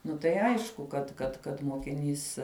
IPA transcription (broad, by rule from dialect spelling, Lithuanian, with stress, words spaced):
ˈnʊ tɐɪ ˈɐɪʃkʊ kɐt kɐt kɐt moːkʲɪˈnʲiːs